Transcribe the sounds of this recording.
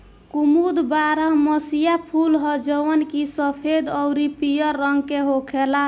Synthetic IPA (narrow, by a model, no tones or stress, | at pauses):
kumud̪baɾəɦməsijapʰulɦɔd͡ʒəwənkisəpʰed̪ɔwɾipijəːəŋɡkeɦokʰela